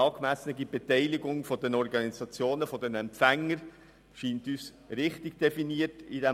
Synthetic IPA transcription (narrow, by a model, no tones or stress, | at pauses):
ɑːkmæsənəɡib̥ɛtɛɪlɪɡʊŋfɔdɛnɔɾɡɑnisɑt͡sjoːnəfɔdɛnɛmpfæŋːəɾ | ʃiːntys | ɾɪχtɪɡ̥̚d̥ɛfiniətidɛ